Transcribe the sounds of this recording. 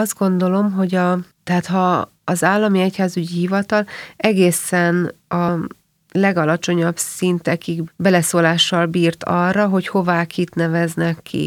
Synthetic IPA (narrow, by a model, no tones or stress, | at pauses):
ɒzd̪̚ɡo̞nd̪o̞lo̞mɦo̞ɟɒt̪ɛɦaːt̪hɒː | zaːlːɒmiɛchaːzyɟiɦivɒt̪ɒlɛɡeːsɛnɒ | lɛɡɒlɒt͡ʃo̞ɲɒbsint̪ɛkiɡbɛlɛsoːlaːʃːɒlbiːrt̪ɒrːɒɦo̞cho̞vaːkit̪nɛvɛznɛkːḭ